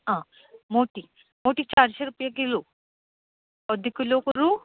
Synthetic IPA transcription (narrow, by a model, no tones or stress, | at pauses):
ã | moːʈi | moːʈik̚t͡ʃaːɾsɐɾupjakelu | ɔd̪ʱikːuloːkuɾu